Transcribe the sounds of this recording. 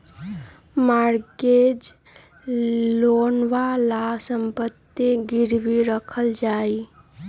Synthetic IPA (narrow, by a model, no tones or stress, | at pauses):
maːɾɡed͡ʒ | loːnʋalasəmpət̪ːeɡɪɾbiɾəkʰəld͡ʒaːi